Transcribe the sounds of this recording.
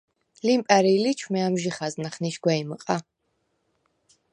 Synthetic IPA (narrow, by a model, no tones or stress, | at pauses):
limpʼɛɾilit͡ʃʰmɛamʒiχaznaχniʃɡwɛiməqʼa